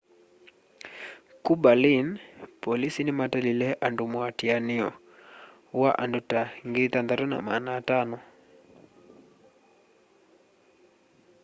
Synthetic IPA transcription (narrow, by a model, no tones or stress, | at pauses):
kubalinpɔlisinimatalilɛʔandumwatianiɔ | waʔa̰ndutaŋɡiit̪and̪atuna̰manaːtanɔ